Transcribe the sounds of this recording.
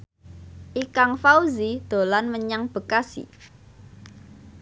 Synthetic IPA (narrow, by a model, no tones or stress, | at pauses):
ʔikaŋfauzid̪̥o̤lanməɲaŋb̥ə̤kasḭ